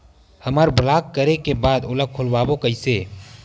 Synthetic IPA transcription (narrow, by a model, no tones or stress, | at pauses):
həmaːɾblaːkːəɾekebaːd̪ʊləkʰʊlwaːbokəɪseː